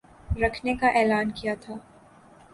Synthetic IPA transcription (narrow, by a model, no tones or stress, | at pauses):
ɾɐkʰnekaʔɛːlaːnkijat̪ʰaː